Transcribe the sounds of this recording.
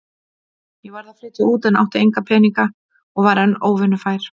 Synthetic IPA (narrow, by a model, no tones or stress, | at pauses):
jɛvaɾðafɾɪːt̪ɪuːt̪ɛna̰wht̪ɪejŋkapʰɛːniŋka | ɔɣvaɾanoːwvɪnʏfaːjɾ̥